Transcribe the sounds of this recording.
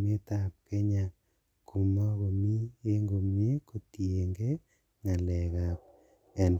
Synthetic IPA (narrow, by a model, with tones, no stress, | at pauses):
me˦ta˨p̚ke˦ɲa˨ | ku˨mɔ˦ko˨mi˦e˦ŋɡo˨mje˦ko˨tje˨ŋɡe˦ | ŋa˨lɛ˨ka˨p̚ | ɛ˨n